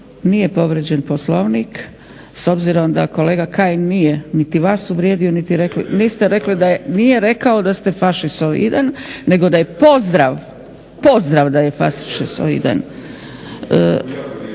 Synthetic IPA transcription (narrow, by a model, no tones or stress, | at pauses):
nije̞po̞ʋɾed͡ʑenpo̞slo̞ʋnik | so̞bziɾo̞md̪ako̞le̞ːɡakaːjnijenit̪iʋaːsuʋɾjeːd̪ionit̪iɾeklḭnist̪eɾe̞klid̪ajenijeɾe̞kaod̪ast̪e̞faʃist̪oḭd̪anːe̞ɡo̞d̪aje̞po̞zd̪ɾaʋ | po̞zd̪ɾaʋd̪aje̞faʃi̥ʃiso̰ḭd̪a̰n | ə